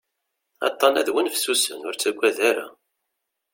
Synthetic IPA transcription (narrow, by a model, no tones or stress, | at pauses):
ɑ̰t̪ˤːɑnæðwənfsusənʊɾt͡sːæɡʷːæðæɾa̰